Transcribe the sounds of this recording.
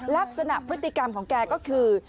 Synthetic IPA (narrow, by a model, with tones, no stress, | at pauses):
laː˦˥p̚sa˧naː˧˩pɾi˦˥k̚t̪i˧ka˧mkɔ˧˩ŋkaː˧˩kɔ˨˦kɨ˨˩